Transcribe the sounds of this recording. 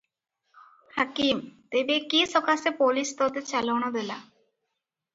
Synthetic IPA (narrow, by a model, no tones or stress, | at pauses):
hakimt̪ebekisɔkasepolist̪ɔd̪et͡ɕalownod̪ela